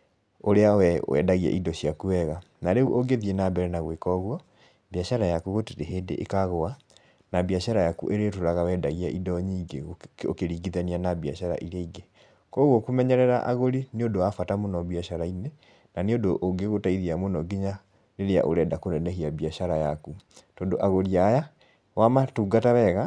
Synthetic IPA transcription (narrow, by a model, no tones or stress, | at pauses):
oɾeawɛwɛ̰daɣiɛ̰ʔidɔɕiakuɛɣa | naɾeuʔoɡeðiɛnabɛɾɛnaɣwekɔɣwa | baʃaɾajakuɣoteɾeɦeːdḛʔekaɣoa | nabiaʃaɾajakṵʔeɾetoɾaɣawɛdaɣiaʔidɔɲiːɡeo̰keɾiːɡiðanianabia̰ʃaɾa̰ʔiɾeiɡe | kɔɣwɔkumɛɲɛɾɛɾaʔaɣoɾiniodoafatamonɔbiaʃaɾaine | naneodoʔːŋɡeɣotaiðiamonɔɡiɲa | leɾea̰ʔoɾɛdakonɛnɛɦiabiaʃaɾajakutoːndoʔaɣoɾiaja | wamatuːɡataβɛɣa